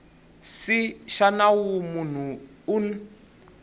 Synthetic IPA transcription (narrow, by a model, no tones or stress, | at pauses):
siʃanawumun̤u | un